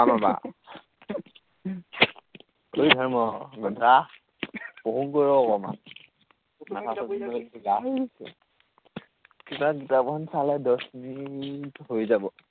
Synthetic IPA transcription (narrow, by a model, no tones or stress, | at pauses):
amaba̰ | ojdʱɔɹmɔɡɔndʱa | pɔɦuŋkɔɹɔːkɔma̰n | atʰasɔinɔiɡaisɛ̰ | titaɡitapɔnsalɛdɔsminitɦojzabɔ